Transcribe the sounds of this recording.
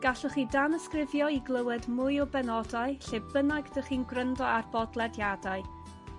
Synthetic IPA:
ɡ̥aɬəχiːdanəskrɪvjɔiɡlˠəwɛdmʊjɔbɛnɔdaɨɬɪbənaɡdəχiːnɡrəndɔarbɔdlˠɛdjadaɨ

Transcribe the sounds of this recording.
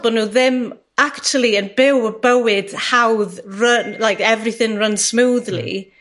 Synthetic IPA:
b̥ɔdnuðɪm | aktʰuəlˠiənbɪwəbəwɪd̥hawðrənlajkɛvrɪθɪ̃ŋrənsmuːðlḭ

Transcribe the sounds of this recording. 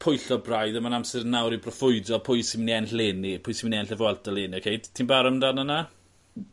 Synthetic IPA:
pʰʊjɬɔbrajðəmanamsɛrnawɾibrɔfʊɨdɔpʰʊɨsɪmniɛnɬleːnipʰʊjsimniɛnɬɛvwɛlˠtaleːniɔkʰejd̥tʰinbaɾɔmdanəna

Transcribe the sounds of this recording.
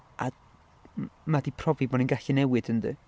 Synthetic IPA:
ʔa̰ | madipʰrɔvibɔːninɡaɬinɛwɨd̥əndɨ̰

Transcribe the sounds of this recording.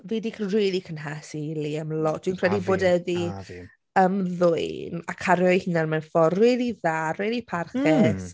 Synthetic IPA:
viːdikʰnriːlˠikʰənɦasiliəmlɔtd̥wiːnkʰr̥ɛdiboːdɛði | əmðʊɨna̰kʰaɾjɔjhɪnanmɛnfɔriːliðaːriːlipʰarχɛs

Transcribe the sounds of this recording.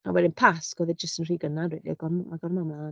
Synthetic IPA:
a̰wɛdɪnpʰasɡ̥ɔðɛd̚d͡ʒəstənr̥iːɡənadrɛdiaɡɔnmaɡɔrmamla

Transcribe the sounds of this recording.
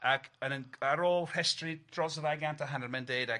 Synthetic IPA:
akʰənənaɾoːlˠr̥ɛstrid̥rɔzəðajɡantʰaɦanərmɛndeːda

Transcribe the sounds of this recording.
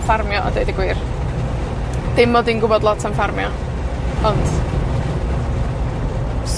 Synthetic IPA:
farmjɔʔɔ̰dejdəɡwiːr | d̥ɪmːɔdinɡʊbɔdlˠɔtʰaɱfarmjɔ | ɔnd̥ | s

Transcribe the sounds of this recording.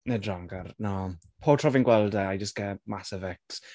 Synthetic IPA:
nedraŋɡarna | pʰoːtʰrɔvɪnɡwɛlˠdɛajd͡ʒəsɡɛmasəvɛks

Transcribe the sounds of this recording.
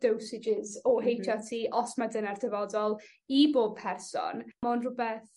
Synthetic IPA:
d̥owsɪd͡ʒɪzɔɦejtʰatʰiːʔɔsmadənardɛvɔdɔlˠ | iboːb̚pʰɛrsɔ̰nmɔnrʊbɛθ

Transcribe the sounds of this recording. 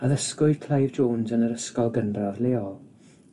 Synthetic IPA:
əðəskʊɨ̥kʰl̥ajvd͡ʒoːnsənəɾəskɔlˠɡənraðleːɔlˠ

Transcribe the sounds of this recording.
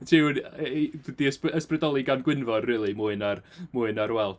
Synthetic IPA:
tʰenədiəspəsprɛdɔlˠiɡanɡwɪnvɔdriːlˠimʊːɨnarmuːɨnaɾwɛlˠ

